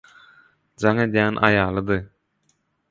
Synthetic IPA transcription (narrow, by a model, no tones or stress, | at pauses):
d͡ʒɑŋe̞d̪jæːnʔɑ̰jɑːlˠɯd̪ɯ